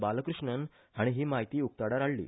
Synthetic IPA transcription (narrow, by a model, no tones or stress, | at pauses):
baləkɾuʂɳən | haɽ̃iɦiːmaɦit̪iːuk̚t̪aɽaɾaɽlḭː